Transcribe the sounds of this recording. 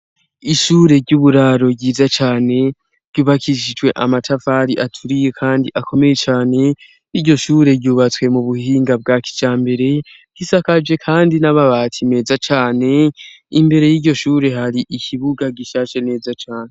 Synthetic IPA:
iʃuːɾe̞ɾɟuβuɾaɾo̞ɟiːzat͡ʃaːne̞ | ɾɟ̥uβakʰiʃid͡ʒɡwe̞ʔamatʰafaɾiʔatʰuɾije̞kʰaːndiʔakʰo̞me̞je̞t͡ʃaːne̞ | iɾɟo̞ʃuːɾe̞ɾɟuβat͡swe̞muβuhiːŋɡab̚ɡaki̥d͡ʒaːmbe̞ɾe̞ | ɡ̥isakad͡ʒe̞kʰaːndinaβaβaːtʰime̞ːzat͡ʃaːne̞ | imbe̞ɾe̞jiɟo̞ʃuːɾe̞ɦaɾiʔicʰiβuɡaɡiʃaːʃe̞ne̞ːzat͡ʃaːne

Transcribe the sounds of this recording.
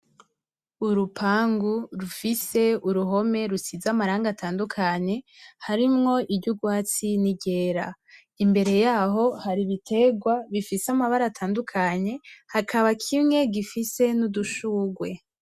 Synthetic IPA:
uɾupʰaːŋɡuɾufise̞uɾuɦo̞me̞ɾusizamaɾaːŋɡatʰaːndukʰaɲe̞haɾimŋo̞ʔibɟuɡwaːt͡siniɟe̞ːɾa̰ | imbe̞ɾe̞jaːɦo̞haɾiβitʰe̞ɡwaβifiseamaβaɾatʰaːndukʰaɲe̞hakʰaβakʰimŋe̞ɡifise̞nuduʃuːɡwe̞

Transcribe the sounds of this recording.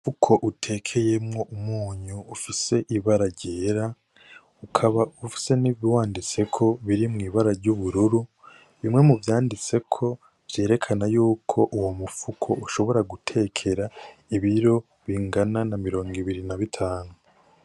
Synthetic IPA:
fukʰo̞ʔutʰe̞ːkʰe̞je̞mŋo̞ʔumuːɲuːfise̞ʔiβaɾaɾɟeːɾa | ukʰaβaufi̥se̞niβiwaːndit͡se̞kʰo̞βiɾimŋiːβaɾaɾɟuβuɾuɾu | βimŋe̞muvjaːndit͡se̞kʰo̞ | vje̞ːɾe̞kʰanajuːkʰo̞ʔuwo̞mufukʰo̞̰uʃo̞βo̞ɾaɡutʰe̞ːkʰe̞ɾaiβiɾo̞ | βiŋɡananamiɾo̞ːŋɡiβiɾinaβitʰaːnu

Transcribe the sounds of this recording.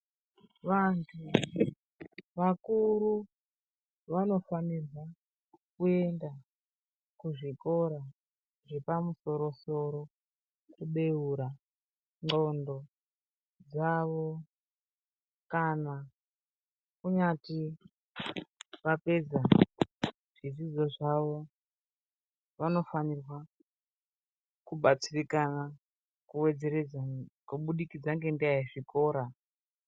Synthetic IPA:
ʋantʰu | ʋakuɾu | ʋano̞fanira | kue̞nda | kuʐiko̞ɾa | ʐe̞pamuso̞ɾo̞so̞ɾo̞ | kuɓe̞uɾa | ŋ͡ǃo̞ndo̞ | d͡zaʋo̞ | kana | kuɲati | ʋape̞d͡za | ʐ̥izid͡zo̞ʐaʋo̞ | ʋano̞fanirwa | kuɓat͡sirikana | kuwe̞d͡ze̞ɾed͡zakuɓuɗikid͡zaŋɡe̞ndiaiʐiko̞ːɾa

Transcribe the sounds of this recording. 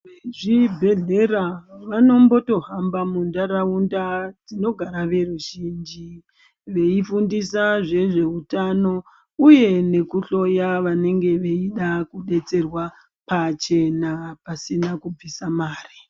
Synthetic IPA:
ʋeʐibʱe̞ɮe̞raʋano̞mbo̞to̞ɦambamundaɾaundad͡zino̞ɡʱaɾaʋe̞ruʒiːnd͡ʒi | ʋe̞ifundisaʐe̞ʐe̞utano̞ | uje̞ne̞kuɬo̞jaʋane̞ŋɡe̞ʋe̞iɗakuɗe̞t͡se̞rwa | pat͡ʃe̞napasinakub͡visamaːri

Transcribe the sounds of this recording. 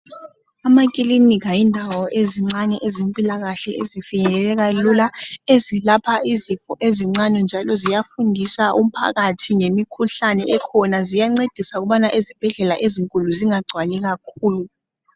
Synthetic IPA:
amakʼilinikʰajindʱawɔʔeziŋ͡ǀanɛʔezempʼilaɣaɬɛezifiɲɛlɛlɛɣalulaezilapʰaizifɔʔeziŋ͡ǀanɛnd͡ʒʱalɔzijafundʱisaʔum̩pʰa̰ɣatʰiŋemikʰuɬanɛɛkʰɔnazijaŋ͡ǀed̥ʱisauɣuɓanaʔezib̥ʱɛɮɛlaʔeziŋkʼuluziŋaɡ͡ǀʱwalɛɣakʰuːlu

